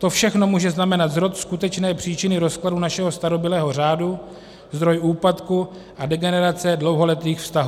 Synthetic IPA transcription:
t̪o̞fʃɛxno̞muːʒɛznamɛnat̪zɾo̞t̪skut̪ɛt͡ʃnɛːpr̝̥iːt͡ʃɪnɪɾo̞skladunaʃɛɦo̞st̪aɾo̞bɪlɛːɦo̞r̝aːdu | zd̪ɾo̞juːpat̪ku | ʔadɛɡɛnɛɾat͡sɛdlo̞wɦo̞lɛt̪iːxfst̪aɦuː

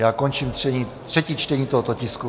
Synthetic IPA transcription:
jaːkont͡ʃiːmt̪r̥ɛɲiːt̪r̥ɛciːt͡ʃt̪ɛɲiːt̪oɦot̪ocɪsku

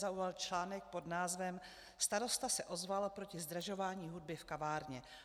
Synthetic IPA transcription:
zaujalt͡ʃlaːnɛk̚po̞dnaːzvɛm | st̪aɾo̞st̪asɛʔo̞zvalopɾo̞cɪzd̪ɾaʒo̞vaːɲiːɦud̚bɪfkavaːɾɲɛ

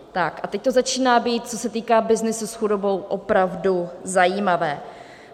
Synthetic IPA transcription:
t̪akʔat̪ɛc̚t̪o̞zat͡ʃiːnaːbiːt̪̚t͡so̞sɛt̪iːkaːbɪznɪsusxudo̞bo̞wʔopɾavduzajiːmavɛː

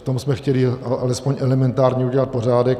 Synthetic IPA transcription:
ft̪omsmɛxcɛliaalɛspoɲʔɛlɛmɛnt̪aːɾɲɛuɟɛlat̪̚po̞r̝aːdɛk̚

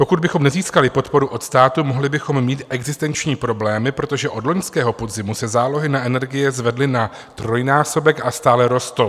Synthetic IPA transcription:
po̞kud̪bɪxo̞mnɛziːskalɪpo̞t̪po̞ɾuʔo̞t̪st̪aːt̪umo̞ɦlɪbɪxo̞mːiːt̪ʔɛɡzɪst̪ɛnt͡ʃɲiːpɾo̞blɛːmɪpɾo̞t̪o̞ʒɛʔo̞dlo̞ɲskɛːɦo̞po̞d̪zɪmusɛzaːlo̞ɦɪnaʔɛnɛɾɡɪjɛzvɛdlɪna | t̪ɾo̞jnaːso̞bɛkʔast̪aːlɛɾo̞st̪o

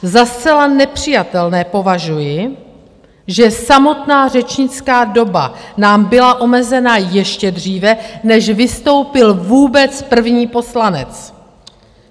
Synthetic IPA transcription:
zast͡sɛlanɛpr̝̥ɪjat̪ɛlnɛːpo̞vaʒujɪ | ʒɛsamo̞t̪naːr̝ɛt͡ʃɲɪt͡skaːdo̞ba̰naːmbɪlaʔo̞mɛzɛnajɛʃcɛdr̝iːvɛnɛʒvɪst̪o̞wpɪlvuːbɛt͡spr̩vɲiːpo̞slanɛ̰t͡s

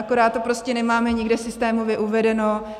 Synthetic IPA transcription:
ako̞ɾaːt̪t̪ːopɾoscɛnɛmaːmɛɲɪɡdɛsɪst̪ɛːmovjɛʔuvɛdɛno̞

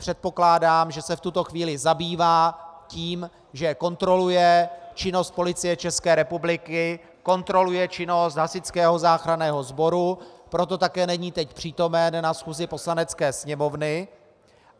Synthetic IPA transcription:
pr̝̥ɛt̪̚po̞klaːdaːmʒɛsɛft̪ut̪o̞xviːlɪzabiːvaːciːm | ʒɛko̞nt̪ɾo̞lujɛt͡ʃɪno̞st̪̚po̞lɪt͡sɪjɛt͡ʃɛskɛːɾɛpublɪkɪ | ko̞nt̪ɾo̞lujɛt͡ʃɪno̞st̪ɦasɪt͡skɛːɦo̞zaːxɾanɛːɦo̞zbo̞ɾupɾo̞t̪o̞t̪akɛːnɛɲiːt̪ɛcpr̝̥iːt̪o̞mɛnːasxuːzɪpo̞slanɛt͡skɛːsɲɛmo̞vnɪ

